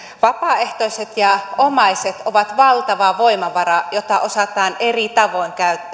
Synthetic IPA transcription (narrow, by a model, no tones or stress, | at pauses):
ʋɑpɑːˑeht̪oiset̪jɑomɑiset̪oʋɑt̪ʋɑlt̪ɑʋɑʋoimɑʋɑrɑjot̪ːɑʔo̞sɑt̪ɑːnʔerit̪ɑʋoiŋkæyt̪ːæ